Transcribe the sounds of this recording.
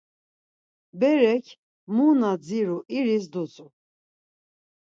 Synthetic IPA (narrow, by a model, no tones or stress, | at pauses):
bɛɾɛkʰ | munad͡ziɾuʔiɾis̬d̪ut͡sʼu